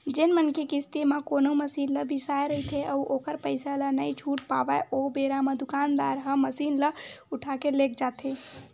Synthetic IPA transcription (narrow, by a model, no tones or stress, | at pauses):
d͡ʒenmənkekist̪imakonoməsinləbʱisajɾəɦit̪ʰeʔəuʔokəɾpəjsalənəjt͡ʃʰuʈpabəʔobeɾamẽd̪ukand̪aɾɦəməsinləuʈʰakelek̚ʰd͡ʒat̪ʰe